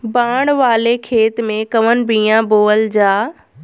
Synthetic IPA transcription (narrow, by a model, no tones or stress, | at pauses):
bãːɽ̃ʋaːlekʰeːt̪mẽkɐʋən̆bĩːãboːəld͡ʑaː